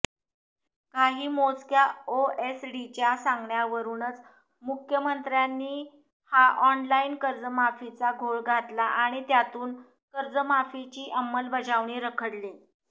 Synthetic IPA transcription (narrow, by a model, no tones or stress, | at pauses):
kaɦiːmot͡skjaoesɖit͡ɕasaŋɡɳjaʋəɾuːnət͡s | mukʰjəmənt̪ɾjanːiː | haʔɔnlaiːnkəɾd͡zəmafit͡saɡʱoɭɡʱat̪laʔaɽ̃it̪jat̪uːn | kəɾd͡zəmafit͡ɕiːʔəmːəlbəd͡zaʋɳiːɾəkʰəɽle